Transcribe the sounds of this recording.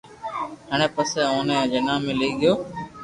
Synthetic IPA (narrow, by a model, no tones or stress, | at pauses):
ɦəɳ̃ẽːpəseːoːneːd͡ʒenãːmẽːliːɠɪjoː